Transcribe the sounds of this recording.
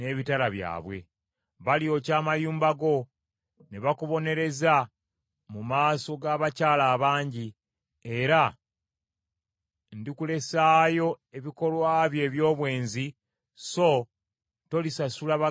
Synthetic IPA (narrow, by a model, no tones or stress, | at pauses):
ne̞ːβitalaβja̰ːβwe̞̰ | βalio̞ːcaːmajuːmbaɡo̞ | neβakuβo̞ne̞ɾe̞za | mumaːso̞ɡaːβacaːlaːβaːɲɟi | eɾa | ndikule̞saːjo̞e̞βiko̞lwaːβje̞ːβjo̞ːβwe̞ːnzi | so̞ | to̞lisasulaβa